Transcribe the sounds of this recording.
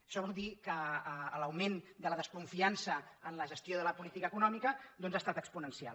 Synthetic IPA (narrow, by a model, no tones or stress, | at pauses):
əʃɔβɔlˠd̪ikəːləwmend̪ələðəskuɱfiansəənləʒəst̪joðələpulit̪ikəːkunɔmikəd̪ɔnzast̪at̪əkspunənsia̰l